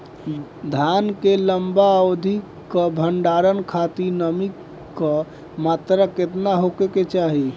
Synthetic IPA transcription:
d̪ʱankeləmbaod̪ʱikː | əbʱəɳɖaɾənkʰat̪inəmikː | ə | mat̪ɾəket̪naɦokeket͡ʃaɦi

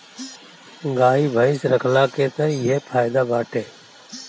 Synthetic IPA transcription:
ɡaːɦiːbʱəiːsɾəkʰlaːkeːt̪ẽːɪɦeːpʰaːɪd̪aːbaːʈʰeː

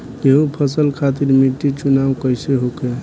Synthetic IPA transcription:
eɦũpʰəsəlkʰat̪iɾmiʈːit͡ʃunawkəjseɦoke

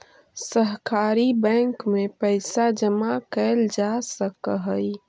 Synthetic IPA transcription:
səɦkaːɾibɛ̃ŋkmepəɪsad͡ʒəmakəld͡ʒasəkəɦəj

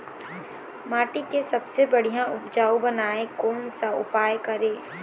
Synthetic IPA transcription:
maːʈikesɐbsebɐɽ̤ijãʊpd͡ʒaːubɐnaːekɔːnsaʊ̰paːjkɐɾeː

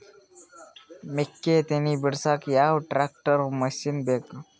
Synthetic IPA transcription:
mɪkːet̪enibɪɾsaːkijaːɦoʈɾaːk̚ʈəɾomɐsinbek

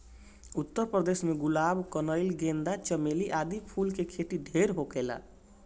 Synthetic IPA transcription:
ut̪ːəɾprʌd̪esmeɡulabkʌnʌjlɡend̪at͡ʃʌmeliʔad̪ipʰulkekʰeʈiɖʱeɾɦokela̰

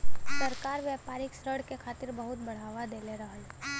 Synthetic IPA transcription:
səɾkaːɾʋjɛːpaːɾɪksɾəɽkekʰaːt̪ɪɾbɐɦʊt̪̚bɐɽ̤aːʋad̪eːleɾɐɦəl

